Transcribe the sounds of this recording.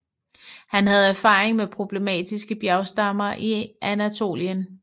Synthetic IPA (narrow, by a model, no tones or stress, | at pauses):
hænhæð̞̩ˠæɐfɑ̈ːeŋmepʰʁo̝b̥le̝mɛ̰ːd̥isɡ̥əb̥jæʊsd̥ɑ̈mɐʔiʔænæt͡sʰo̝̰ːljən